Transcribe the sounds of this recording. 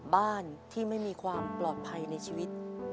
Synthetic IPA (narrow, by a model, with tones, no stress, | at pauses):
baː˥˩nt̪ʰiː˥˩ma˥˩jmiː˧kʰwaː˧mplɔː˨˩t̪̚pʰa˧jna˧jt͡ɕʰiː˧wi˦˥t̪̚